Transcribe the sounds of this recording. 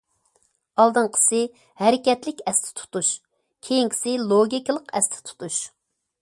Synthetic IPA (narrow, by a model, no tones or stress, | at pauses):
ɑlˠd̪ɨɴqʰə̥sɪ | hæɾɪkʲɛt̪lɪkʲɛst̪ʰɪ̥t̪ʰu̥t̪uʃ | kʲʰejiŋkʲʰi̥sɪlˠoɡʲikʲlˠəqɛ̰st̪ʰɪ̥t̪ʰu̥t̪ʰuʃ